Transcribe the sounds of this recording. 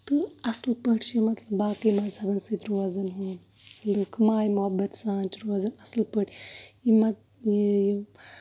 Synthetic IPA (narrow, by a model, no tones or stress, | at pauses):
t̪ɨɐslpəʈʰt͡ʃimɐt̪lɐbːaːkimaːzɐbɐnsit̪ɾoɐzɐnɦuː | lɨkʰmaːjmuɦɐbːɐt̪sãːnt͡ʃɾoːɐzɐnɐslpəʈʰjimɐt̪ | jiji